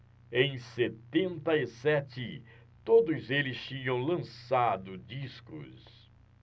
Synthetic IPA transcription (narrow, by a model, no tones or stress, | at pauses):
ẽj̃set̪ẽnt̪ɐisɛt͡ʃɪ | t̪od̪ʊzelɪst͡ʃĩɲɐ̃w̃lɐ̃sad̪ʊd͡ʒiskʊ̰s